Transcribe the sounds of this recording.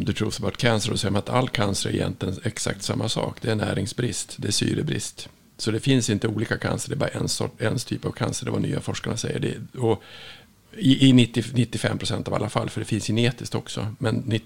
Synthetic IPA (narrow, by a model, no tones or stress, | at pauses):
d̪ɵt̪ʰɾuːsəbɑːʈ̪kʰansəɾɔsɛjːəmanat̪ʰalːkʰansəɾæɾɪ̰jɛ̰nt̪lɪənɛksa̰k̚t̪samːasɑ̰ːkd̪ɛæɳnæːɾɪŋsbɾɪst̪d̪ɛæsy̰ːɾəbɾɪ̰st̪ | sɔd̪ɛfɪnsɪnt̪əuːliːkakʰa̰nsəɖɛbɑːɾaɛnsɔ̰ɛnst̪ʰyːpavkʰansəɖɛvany̰ːa̰fɔʂkaɳasɛjːə̰ɖɛ̰ɔ | ɪʔɪnɪt̪ːɪnɪt̪ːɪfɛmːpʰɾʊsɛnt̪ava̰lːafalːfœɖɛfɪnsçɪneːt̪ɪsk̚t̪ɔksɔmɛnːɪ